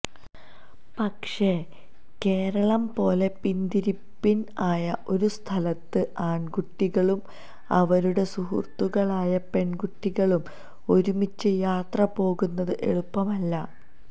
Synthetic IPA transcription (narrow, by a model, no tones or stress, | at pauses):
pɐkʂe̞ | ke̞ːɾɐɭɐmpo̞ːle̞pind̪iɾipːinaːjɐʔo̞ɾust̪ʰɐlɐt̪ːɨʔaːɳɡuʈːiɣɐɭum | ɐʋɐɾuɽe̞suɦṵrt̪ːuɣɐɭaːjɐpe̞ɳɡuʈːiɣɐɭum | o̞ɾumit͡ɕːɨjaːt̪rɐpo̞ːɣunːɐðɨʔe̞ɭupːɐmɐlːɐ